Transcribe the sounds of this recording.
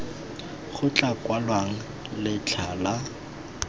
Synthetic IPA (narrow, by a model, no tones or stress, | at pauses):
χʊt͡ɬʼakʼwalwaŋ̩ | lɪt͡ɬʰala